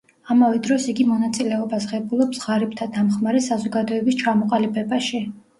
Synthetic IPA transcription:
amavɛd̪ɾɔsiɡimɔnat̪sʼilɛɔbasʁɛbulˠɔpsʁaɾipt̪ʰad̪amχmaɾɛsazɔɡad̪ɔɛbist͡ʃʰamɔqʼalibʰɛbaʃi

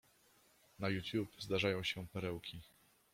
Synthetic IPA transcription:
najutʲjupzd̪aʐajɔ̃w̃ɕɛpɛɾɛwkʲʰi

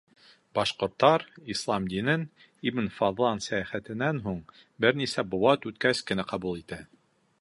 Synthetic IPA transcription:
bɑʃqŏɾt̪ːɑɾislˠɑmd̪inɘn | ibnfɑðlˠɑnsæjæχæt̪ɘ̆nːænɦuɴ | bɘɾnisæbŏwɑt̪ʉt̪kæskɘ̆næqɑbulˠit̪æ

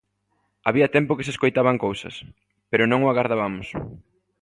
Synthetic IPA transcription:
aβiɐt̪ɛmpʊkɪseskojt̪aβaŋkowsɐ̰s | peɾʊnõŋʊaɣaɾðaβamʊs

